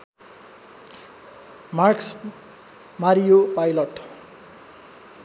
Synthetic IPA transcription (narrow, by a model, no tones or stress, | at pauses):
marks | maɾijopajlʌʈ